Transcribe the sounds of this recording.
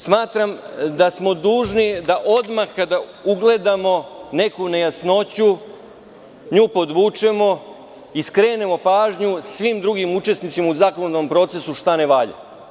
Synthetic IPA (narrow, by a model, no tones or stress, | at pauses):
smaːt̪ɾamd̪asmo̞d̪uːʒnid̪aʔo̞d̪maxkad̪a | uɡle̞d̪amo̞ne̞kune̞jasno̞t͡ɕu | ɲuːpo̞d̪ʋuːt͡ʂe̞mo̞ | iskɾe̞ːne̞mo̞paːʒɲusʋimd̪ɾuɡimut͡ʃe̞st̪nit̪simauzaːkonod̪ompɾo̞t̪se̞suʃt̪ane̞ʋaʎa̰